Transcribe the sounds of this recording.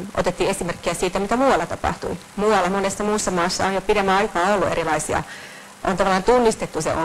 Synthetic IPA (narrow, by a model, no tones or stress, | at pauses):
ʔo̰t̪et̪ːiːesimerkːiæsiːt̪æmit̪æmuːɑlːɑt̪ɑpɑ̰ht̪ṵi | muɑlːɑmonesːɑmuːsːɑmɑːsːɑojopidemːæɑikɑːolːuʔḛɾilɑisiɑ̰ | ʔo̰nt̪ɑʋɑlːˑɑːnt̪unːist̪et̪ːusḛo